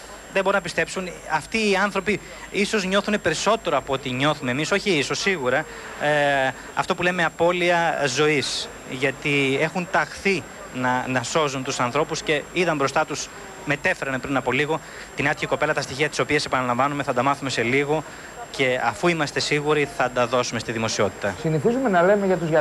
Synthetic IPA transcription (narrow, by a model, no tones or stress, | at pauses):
ðebo̞ɾunɐpist̪e̞psunɐft̪iːɐnθɾo̞pi | iso̞zɲo̞θune̞pe̞ɾiso̞t̪e̞ɾo̞ɐpoot̪iɲo̞θume̞ːmiso̞çiiso̞sːiɣuɾɐ | ɐ̰ft̪o̞puleme̞ɐpo̞liɐzo̞is | ʝɐt̪ie̞xunt̪ɐxθi | nɐnɐso̞zunt̪usɐnθɾo̞pusce̞iðɐmbɾo̞st̪ɐt̪us | me̞t̪e̞fe̞ɾɐnpɾinɐpo̞liɣo̞ | t̪inɐt̪çiko̞pe̞lɐt̪ɐst̪içiɐt̪iso̞piɐse̞pɐnɐlɐɱvɐnume̞θɐnd̪ɐmɐθume̞se̞liɣo̞ | ce̞ɐfuimɐst̪e̞siɣuɾiθɐd̪ɐðo̞sume̞st̪iðimo̞sio̞t̪i̥t̪ɐsiniθizume̞nɐle̞meʝɐt̪uzɐ